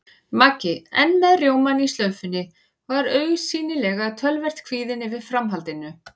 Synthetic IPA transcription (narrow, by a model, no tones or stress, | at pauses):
macɪɛnːmɛðrjoːwmanist̪lœːɥfɪnːɪ | vaɾœːɥɣsiːnɪlɛɣaðt̪ʰœlvɛr̥t̪kʰv̥iːðɪnːɪvɪð̥fɾamɦalt̪ɪnːʏ